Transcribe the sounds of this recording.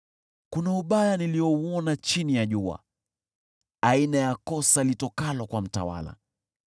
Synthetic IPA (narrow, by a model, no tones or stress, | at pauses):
kunauɓajaniliɔuɔnat͡ʃinijaʄua̰ | ainajakɔsalitɔkalɔkwam̩ta̰wa̰la̰